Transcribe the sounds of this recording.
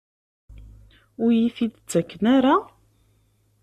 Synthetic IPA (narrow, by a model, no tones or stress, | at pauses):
ʊɾjiθid̪ət͡sːækːənaɾa